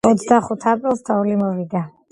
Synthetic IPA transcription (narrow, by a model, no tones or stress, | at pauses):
ɔt̪sʰd̪aχut̪ʰapʼɾilˠst̪ʰɔulimɔviɡa